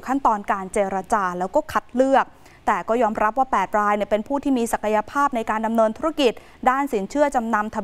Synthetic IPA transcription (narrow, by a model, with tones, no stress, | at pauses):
kʰa˥˩nt̪ɔː˧nkaː˧nt͡ɕeː˧ɾa˧t͡ɕaː˧lɛː˦˥wkɔː˥˩kʰa˨˦˩t̪̚lɯ˥˩ək̚ | t̪ɛː˨˩kɔː˥˩jɔː˧mɾa˦˥p̚waː˥˩pɛː˨˩t̪̚ɾaː˧jni˥˩əpe˧npʰuː˥˩t̪ʰiː˥˩miː˧sa˨˩kʰa˧ja˧pʰaː˥˩p̚na˧jkaː˧nda˧mnɤː˧nt̪ʰu˦˥ɾa˦˥ki˨˩t̪̚ | daː˥˩nsiː˩˦nt͡ɕʰɯ˥˩ət͡ɕa˧mna˧mt̪ʰa˧